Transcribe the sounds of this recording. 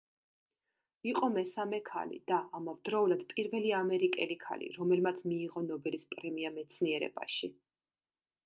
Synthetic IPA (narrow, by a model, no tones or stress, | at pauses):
iqʼɔmɛsamɛkʰa̰lḭd̪̥aʔamavd̪ɾɔulad̪̥pʼiɾvɛliamɛɾikʼɛlikʰa̰lḭɾɔmɛlmat̪sʰmiːʁɔnɔbɛlispʼɾɛmiamɛt̪sʰniɛɾɛ̰b̥a̰ʃi